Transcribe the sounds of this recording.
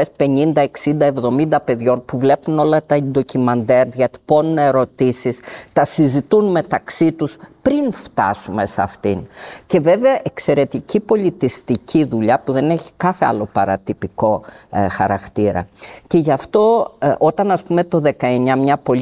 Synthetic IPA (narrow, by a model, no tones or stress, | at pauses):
espe̞ɲind̪ɐeksind̪ɐevðo̞mind̪ɐpe̞ðʝo̞npuvle̞puno̞lɐt̪ɐend̪o̞cimɐnd̪e̞ɾʝɐt̪i̥po̞nuneɾo̞t̪isist̪ɐsizit̪unme̞t̪ɐksit̪uspɾinft̪ɐ̰sume̞sɐ̰ft̪ince̞ve̞veɐʔe̞kse̞ɾe̞t̪icipo̞lit̪ist̪icʰiðuʎɐpuðe̞ne̞çi̥kɐθe̞ɐ̰lo̞pɐ̰ɾɐ̰t̪ipiko̞xɐ̰ɾɐkt̪iɾɐ̰ce̞ʝɐft̪o̞o̞t̪ɐnɐspume̞t̪o̞ðe̞kɐe̞ɲɐmɲɐpo̞